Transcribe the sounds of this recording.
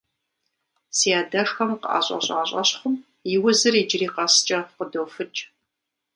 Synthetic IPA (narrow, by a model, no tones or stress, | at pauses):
siaːdɐʂxɐmqa̰ːɕʷʼɐ̰ɕʼa̰ːɕʷʼɐɕχʷʊm | jɪwʊzɨriːd͡ʒɪriːqɐst͡ʃʼɐqədoːfɨt͡ʃʼ